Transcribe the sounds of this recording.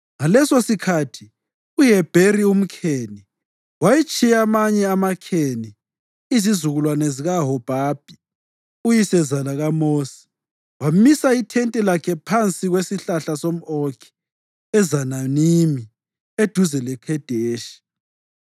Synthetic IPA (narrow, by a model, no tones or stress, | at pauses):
ŋalɛsosikʰatʰi | ujɛb̥ʱerium̩kʰeːni | wajit͡ʃʼijamaɲɛamakʰeni | izizuɣulwanɛziɣaɦɔb̥ʱaːb̥ʱi | ujisɛzalaɣamoːsi̥ | wamisaitʰɛntʼɛlakʰɛpʰant͡sʼiɣwesiɬaɬasom̩okʰi̥ | ɛzananimi | ed̥ʱuzɛlɛkʰɛd̥ʱeːʃi̥